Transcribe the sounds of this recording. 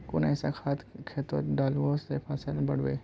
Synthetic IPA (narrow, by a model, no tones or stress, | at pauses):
kʊnasakʰaːt̪kʰeːt̪o̰ɖaːlʋoːsepʰasəlbɐɽʋḛː